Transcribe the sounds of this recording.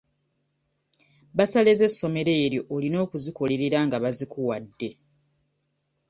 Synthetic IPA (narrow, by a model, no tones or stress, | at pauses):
βasale̞ze̞sːo̞me̞ɾe̞ːɾjo̞ʔːlino̞ːkuziko̞le̞ɾe̞ɾaŋɡaβazikuwadːe̞